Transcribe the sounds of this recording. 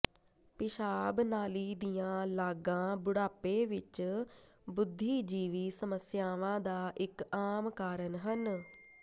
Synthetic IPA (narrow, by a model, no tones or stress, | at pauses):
pɪʃaːbnaːliːd̪ijãːlaːɡãːbʊɽaːpeːʋɪt͡ʃ | bʊd̪ʱːiːd͡ʒiːʋiːsəməsjaːʋãːd̪aːʔɪkaːmkaːɾənɦən